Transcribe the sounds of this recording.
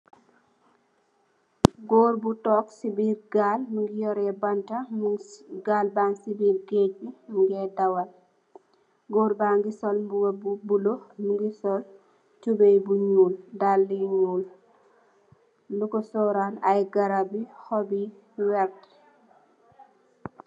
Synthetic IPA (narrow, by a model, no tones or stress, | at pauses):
ɡoːɾbutɔːksibiːɾɡalmuŋɡijɔɾɛbantamɡalbaŋsibiːlɡebiŋɡɛdawal | ɡoːɾbaŋɡisɔlmbuwabubulomuŋɡisɔl | tubejbuɲuːldalːiɲuːl | lukosɔɾanajɡaɾabihɔbi | wɛɾt